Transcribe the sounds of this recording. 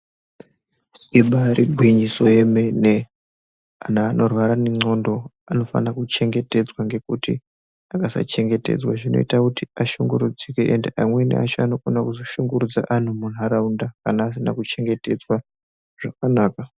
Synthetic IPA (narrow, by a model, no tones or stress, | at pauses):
iɓaɾiɡʱwiɲiso̞jemene | anaːnʔo̞rwaɾaneŋ͡ǀo̞ndo̞ | ano̞fa̰nakut͡ʃe̞ŋɡe̞te̞d͡zwaŋɡe̞kutḭ | akasa̰t͡ʃe̞ŋɡe̞te̞̰d͡zwaʐino̞̰ḭtakutiaʃuŋɡuɾud͡zikeʔende̞ʔa̰mwe̞nḛat͡ʃoano̞konakuzoʃuŋɡuɾud͡za̰ʔan̤umun̤uaɾaundakanaːs̬ina̰kut͡ʃe̞ŋɡe̞te̞d͡zwa | ʐ̥akanaːka